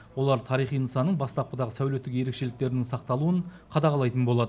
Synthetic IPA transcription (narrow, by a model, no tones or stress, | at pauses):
wo̞lˠɑɾt̪ʰɑɾijχijnəsɑnːəɴbɑst̪ɑp̚qəd̪ɑʁəsæwle̞t̪ːɪkje̞ɾe̞kʃe̞lɪk̚t̪e̞ɾɪnɪŋsɑq̚t̪ɑlˠuəɴqʰɑd̪ɑʁɑlˠɑjt̪ənbo̞lˠɑd̪ə